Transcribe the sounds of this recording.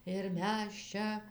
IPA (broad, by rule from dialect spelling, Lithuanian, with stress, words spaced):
ɪr ˈmʲɛs ˈt͡ʃʲɛ